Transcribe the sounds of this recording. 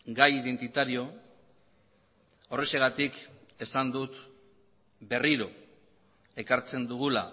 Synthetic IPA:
ɡajiðe̞nt̪it̪aɾio̞ | o̞re̞se̞ɣat̪ike̞sand̪ut̪ | be̞riɾo̞ | e̞kaɾt͡se̞nd̪uɣ̞ula̰

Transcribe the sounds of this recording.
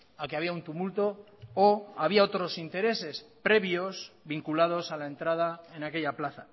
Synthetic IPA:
akeaβiaunt̪umult̪o̞ː | aβiao̞t̪ɾo̞sint̪e̞ɾe̞se̞spɾe̞βjo̞sβiŋkulað̞o̞salae̞nt̪ɾað̞ae̞nake̞ʎaplaθa

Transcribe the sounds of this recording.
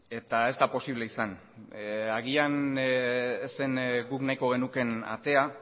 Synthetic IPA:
e̞t̪ae̞zt̪apo̞siβ̞le̞isan | aɣian | senɡuknajko̞ɣ̞e̞nuke̞na̰t̪e̞a

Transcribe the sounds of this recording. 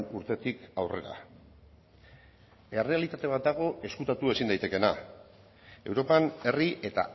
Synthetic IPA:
nuɾt̪e̞t̪ikawre̞̰ɾa̰ | erealit̪at̪e̞β̞at̪̚d̪aɣ̞o̞ʔe̞skut̪at̪ue̞sind̪ajt̪e̞ke̞na | e̞wɾo̞pane̞riʔe̞t̪a̰

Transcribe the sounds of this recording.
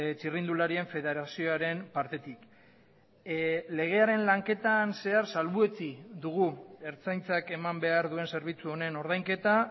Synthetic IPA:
t͡ʃirind̪ulaɾie̞ɱfe̞ðe̞ɾasio̞aɾe̞mpaɾt̪e̞t̪ik | le̞ɣ̞e̞aɾe̞nlaŋke̞t̪anse̞aɾsalβue̞t͡sid̪uɣ̞ue̞ɾt͡sajnt͡sake̞mambe̞aɾðue̞nse̞ɾβ̞it͡suo̞ne̞no̞ɾðajŋke̞t̪a

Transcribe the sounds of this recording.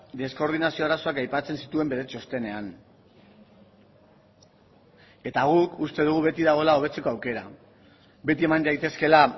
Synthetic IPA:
d̪e̞sko̞ɾð̞inasio̞aɾaso̞akajpat͡se̞nsit̪ue̞mbe̞ðet͡ʃo̞st̪e̞ne̞an | e̞t̪aɣ̞ukust̪e̞ð̞uɣ̞uβe̞t̪iðaɣ̞o̞lao̞β̞e̞t͡se̞ko̞awke̞ɾa | be̞t̪ie̞mand̪ajt̪e̞ske̞la

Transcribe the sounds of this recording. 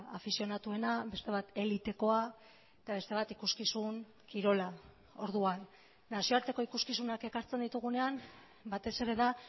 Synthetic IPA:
afisio̞nat̪ue̞nabe̞st̪e̞β̞at̪e̞lit̪e̞ko̞a | et̪aβ̞e̞st̪e̞βat̪ikuskisuŋ | kiɾo̞la | o̞ɾðuanː | asio̞aɾt̪e̞ko̞ikuskisunake̞kaɾt͡send̪it̪uɣ̞une̞am | bat̪e̞se̞ɾe̞ða

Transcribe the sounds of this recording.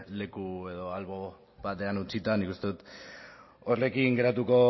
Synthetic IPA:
le̞kue̞ðo̞alβo̞ | βat̪e̞anut͡sit̪anikust̪e̞ðut̪ | orle̞kiŋɡe̞ɾat̪uko̞

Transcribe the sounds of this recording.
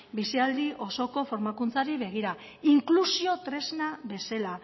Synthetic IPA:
bisiald̪iʔo̞so̞ko̞fo̞ɾmakunt͡saɾiβe̞ɣ̞iɾa | iŋklusio̞t̪ɾe̞znaβe̞sela

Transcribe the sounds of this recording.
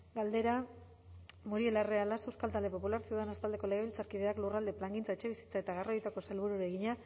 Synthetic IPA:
ɡald̪e̞ɾa | muɾie̞larealasewskalt̪ald̪e̞po̞pulaɾsioðenast̪ald̪e̞ko̞leɣe̞βilt͡saɾkiðe̞aklurald̪e̞plaŋɡint͡saet͡ʃe̞βisi̥t͡saet̪aɣaro̞jt̪ako̞selβuɾuɾeɣiɲa

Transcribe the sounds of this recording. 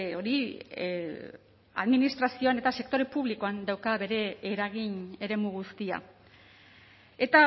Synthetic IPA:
o̞ɾi | a̰ðminist̪ɾasio̞ane̞t̪ase̞kt̪o̞ɾe̞puβ̞liko̞and̪awkaβe̞ɾe̞ːɾaɣ̞iɲe̞ɾe̞muɣust̪ia̰ | e̞t̪a

